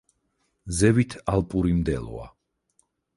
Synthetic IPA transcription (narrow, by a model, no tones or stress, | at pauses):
zɛvit̪ʰalpʼuɾimd̪ɛ̰lɔ̰a̰